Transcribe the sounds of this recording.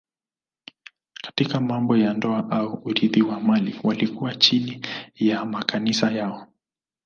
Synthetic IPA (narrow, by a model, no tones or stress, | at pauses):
kḁtikamambɔjandɔaʔauːɾiðiwamaliwalikuwat͡ʃinijamakʰanisajaɔ